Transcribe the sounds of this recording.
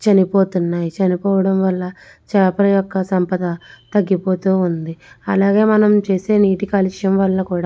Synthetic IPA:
t͡ʃɐnipo̞ːt̪unːaːjit͡ʃɐnipɔːʋɐɽɐmʋɐlːɐ | t͡ʃɛːpɐɾɐjɔkːɐsɐmpɐd̪ɐt̪ɐɡːipo̞ːt̪uːund̪iɐlaːɡe̞ːmɐnɐmt͡ʃe̞ːse̞ːniːʈikaːliʂjɐmʋɐlːɐkuːɽaː

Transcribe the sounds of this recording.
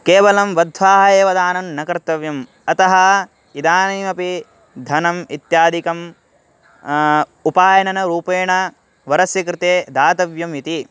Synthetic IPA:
keːʋɐlɐmʋɐd̪ʱʋaːɦɐeːʋɐd̪aːnɐnːɐkɐɾt̪ːɐʋjɐm | ɐt̪ɐɦɐ | id̪aːniːmɐpi | d̪ʱɐnɐmit̪jaːd̪ikɐm | upaːjɐnɐnɐɾuːpeːɳɐ | ʋɐɾɐsjɐkɾɪt̪eːd̪aːt̪ɐʋjɐmit̪i

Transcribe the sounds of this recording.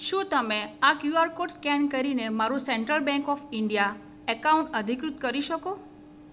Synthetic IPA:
ʃũt̪əmeakjuaɾkoʈskɛnkəɾinemaɾũsɛɳʈɾəlbɛ̃ŋkɔfɪɳɖija | ɛkaũɳʈəd̪ʱikɾut̪kəɾiʃəko

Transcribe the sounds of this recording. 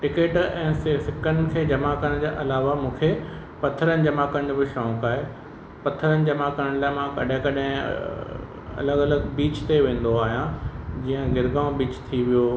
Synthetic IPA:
ʈɪkeːʈɛ̃ːseːfɪkənɪ̆kʰeːd͡ʑɐmakəɾə̃d͡ʑaːʔɐlaːʋamũːkʰe | pɐt̪ʰəɾənɪ̆d͡ʑɐmaːkəɽ̃d͡ʑobɪʃɔ̃ːkaːɦe | pɐt̪ʰəɾənɪ̆d͡ʑɐmakəɾəɽ̃laːɪmãkɐ̰ɗɦɪ̃kɐɗɦɪ̰̃ | ɐ̰ləɡɐləɡbiːt͡ɕt̪eʋẽːn̆d̪oaːɦijãd͡ʑiːə̃ɡɪɾɡaːʊ̃biːt͡ɕt̪ʰiʋijo

